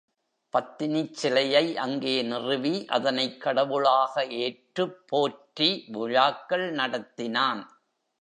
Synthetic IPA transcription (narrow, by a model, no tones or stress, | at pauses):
pɐt̪ːɪnɪt͡ʃːɪlɐjɐɪʔɐŋɡeːnɪrɯʋiʔɐðɐnɐɪkːɐɽɐʋɯɭaːɣɐeːʈrɯpʰːoːʈriʋʊɻaːkːɐɭnɐɽɐt̪ːɪnaːn